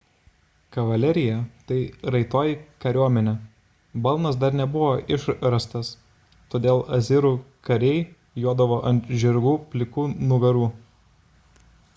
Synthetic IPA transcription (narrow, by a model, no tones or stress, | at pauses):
kɐʋɐlʲɛɾʲɪjɛt̪ɐɪɾɐɪt̪oːjɪkɐɾʲuɔmʲɛnʲɛ | bɐlˠnɐsd̪ɐɾnʲɛbʊʋoːʔɪʃɾɐst̪ɐs | t̪oːd̪ʲeːlˠʔɐzʲɪɾuːkɐɾʲɛɪ | juɔd̪ɐʋoːʔɐnʲt̪ʒʲɪɾɡuːpʲlʲɪkuːnʊʋʲɛɾuː